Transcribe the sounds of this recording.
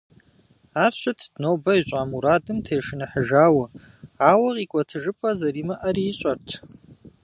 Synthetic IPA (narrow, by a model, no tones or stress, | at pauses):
aʃʰʷatʰd̥nowbaiɕʷʼamuɾadɨmtʰejʂɨnaħəʒaːwa | awaʁikʷʼatʰɨʐɨpʼazaɾimaʔaɾiːɕʷʼartʰ